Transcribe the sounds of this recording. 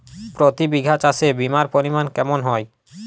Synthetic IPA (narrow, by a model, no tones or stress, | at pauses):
pɾot̪ibiɡʱat͡ɕasʰebimaɾpoɾimankɛmonɦɔe